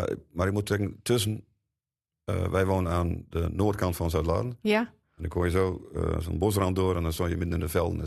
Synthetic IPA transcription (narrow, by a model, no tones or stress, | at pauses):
maɾɪkmutɛkən̩tʰøs̬ən | ə̰ʋʔɛjʋoːnənaːndənoːtkʰɑntfɔnsœtla̰ːdən̩ | ɛndɔkʰomjəso̰ːso̰nbos̬rɑnt̚doəɾɛndɔnsojəmɪdnɪndəfɛlˠdn̩